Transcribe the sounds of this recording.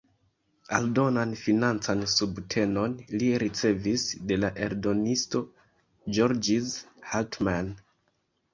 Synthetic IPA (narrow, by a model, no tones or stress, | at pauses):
a̰ldo̞nanfinant͡sansubtʰe̞no̞nliɾit͡se̞visde̞laʔe̞̰ɾdo̞nisto̞ | d͡ʒo̞ɾd͡ʒizhaltman